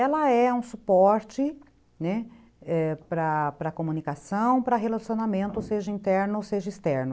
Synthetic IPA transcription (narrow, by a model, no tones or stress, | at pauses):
ɛlɐɛũsupɔɾt͡ʃɪ | nɛ | ɛpɾɐpɾɐkomũnikasɐ̃w̃pɾɐɦelasjonamẽnt̪ʊseʒɐĩnt̪ɛɾnʊseʒɐist̪ɛɾnʊ